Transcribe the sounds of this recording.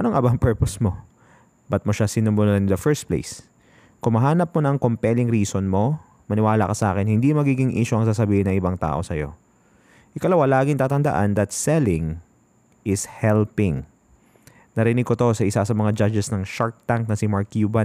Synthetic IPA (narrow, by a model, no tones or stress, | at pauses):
ʔɐnoŋʔɐbaŋpɛɹposmo̞ | bɐt̪̚moʃasɪnombonɐɐnd̪ɐfɛɹst̪̚plḛjs | kʊmɐɦaːnɐp̚monɐŋkompɛlɪŋɾiːsonmo̞ | mɐnɪwaːlɐkɐsɐʔa̰ːkɪnhɪnd̪imɐɡiːɡɪŋʔḭːʃʊʔɐŋs̬aːsɐbiːhɪnɐŋʔɪbaŋt̪a̰ːʔo̞sɐjo̞̰ | ʔɪkɐlɐwalaːɡɪŋt̪aːt̪ɐnd̪ɐʔa̰nd̪ɐt̪sɛlɪŋ | ʔɪshɛlpɪŋ | nɐɾɪnɪɡ̚kot̪o̞sɐʔɪsasɐmɐŋad͡ʒad͡ʒɛsnɐŋʃaɹk̚t̪aŋk̚nɐsɪmaɹkjuːbɐn